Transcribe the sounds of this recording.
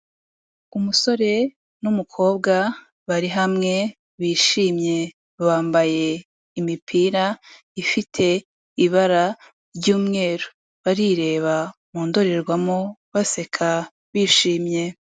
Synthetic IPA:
umuso̞ɾe̞ | numukʰo̞ːbɡa | βaɾiɦamŋe̞ | βiːʃiːmɲe̞ | βaːmbaje̞ | imipʰiɾa | ifitʰe̞ | iβaɾa | ɾɟuːmŋe̞ːɾo | βaɾiɾe̞ːβamuːndo̞ɾeɾɡwamoβase̞kʰa | βiːʃiːmɲe̞

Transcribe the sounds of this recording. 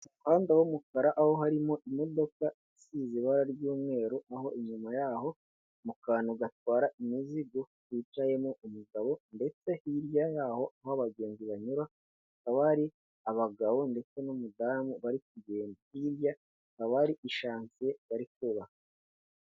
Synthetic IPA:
haːndawomukaɾaʔaho̞ɦaɾimo̞ʔimo̞do̞ka | isiːziβaɾaɾɟuːmŋe̞ːɾoaɦo̞ʔiɲumajaːɦo̞ | mukaːnoɡatwaːɾaʔimiziɡo̞ | iːtaje̞moumuɡaβo̞nde̞t͡se̞hiɾjajaho̞ʔahoaβaɡe̞ːnziβaɲuɾa | h | kaβaɾi | aβaɡaβo̞nde̞t͡se̞numudaːmuβaɾik̚uɟe̞ːndihiɾja | kaβaɾiʔiʃaːnsijeβaɾikuβa

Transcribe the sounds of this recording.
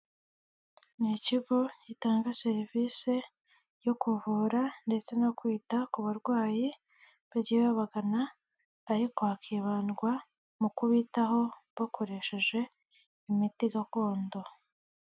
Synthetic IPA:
niciɡocitaːŋɡase̞ɾivise̞ | jo̞kuvuːɾande̞t͡se̞nokwiːtakuβaɾɡwaːji | βaɟiβaβaɡanaː | ɾiko̞hakiβaːnɡwa | mukuβitaɦo̞βakʰo̞ɾe̞ʃe̞ʒe̞ | imitiɡako̞ːndo̞

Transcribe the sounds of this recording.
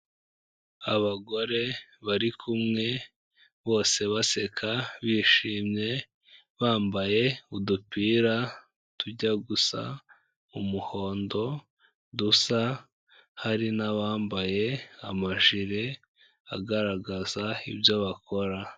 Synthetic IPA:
aβaɡo̞ɾe̞βaɾikʰumŋe̞ | βo̞ːse̞βase̞kʰaβiːʃiːmɲe̞ | βaːmbaje̞udupiːɾa | tuɟaɡusa̰ | umuho̞ːndo̞ | dusa | haɾinaβaːmbaje̞amaʒiɾe | a̰ɡaɾaɡazaibjo̞βakʰo̞ɾa

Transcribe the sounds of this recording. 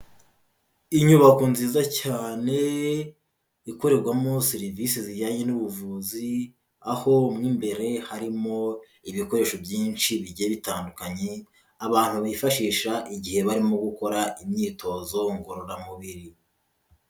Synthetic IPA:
iɲuβakonziːzacaːne̞ | iko̞ɾe̞ɾɡwamosiɾivisiziɟaɲenuβuvuzi | aho̞mŋiːmbe̞ɾe̞haɾimo̞ | iβiko̞ɾe̞ːʃobjiːnt͡ʃiβiɟeβitaːndukaɲe̞ | aβaːn̥huβifaʃiːʃaʔiɟihe̞βaɾimoɡuko̞ɾaʔimɲiːtʰo̞zo̞ŋɡo̞ɾoɾamuβiɾi

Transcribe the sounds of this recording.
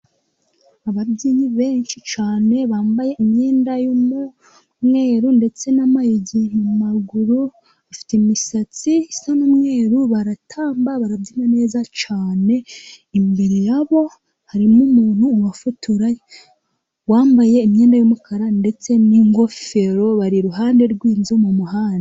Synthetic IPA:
aβabɟiːɲiβe̞ːɲʃit͡ʃaːne̞βaːmbaje̞ʔimɲe̞ːndajomu | mŋe̞ːɾunde̞t͡se̞namajeɟinumaɡuɾu | afi̥temisat͡sisanomŋe̞ːɾuβaɾatʰaːmbaβaɾaβdimane̞ːzat͡ʃaːne̞imbiɾijaβo̞ | haɾimumuːn̥huːwafutuɾaj | waːmbaje̞imɲe̞ːndajomukʰaɾande̞t͡se̞niŋɡo̞fe̞ɾo̞βaɾiɾuɦaːnde̞ɾɡwiːnzumumuɦaːnda

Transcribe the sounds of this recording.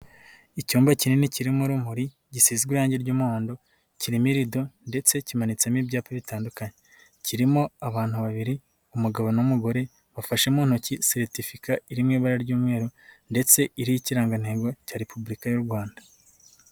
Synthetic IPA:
icuːmbacininiciɾimoɾumuɾi | ɟisizɡwiɾaːɲɟeɾɟuːmaːndo̞ | ciɾimiɾido̞nde̞t͡se̞cimanit͡semibɟaːpaβitaːndukaɲe | ciɾimoaβaːn̥huβaβiɾi | umuɡaβo̞nomuɡo̞ɾe̞ | βafaʃemuːn̥ucisiɾtifikaiɾimŋiːβaɾaɾɟuːmŋe̞ːɾunde̞t͡se̞iɾijiciɾaːŋɡan̥e̞ːɡo̞caːɾe̞pubuɾikajuɾɡwaːndḁ

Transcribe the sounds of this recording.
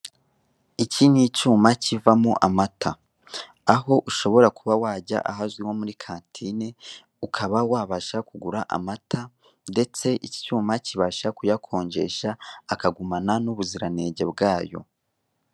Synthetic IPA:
icinit͡ʃuːmacivamuʔamata | aɦo̞ʔuʃo̞βo̞ɾakuβawaːɟa̰ʔaɦazɡwiwo̞muɾikʰaːntʰine | ukʰaβawaːβaʃakuɡuɾaʔa̰matʰa | nde̞t͡se̞ʔici̥cuːmaciβaʃakujakʰo̞ːɲɟe̞ʃaːkaɡumananuβuziɾane̞ːɟe̞bɡaːjo̞̰

